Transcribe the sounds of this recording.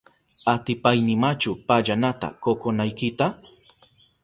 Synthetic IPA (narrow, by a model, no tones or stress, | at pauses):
at̪ɪpajnɪmat͡ʃʊpaʎanat̪a̰kokonajkɪt̪a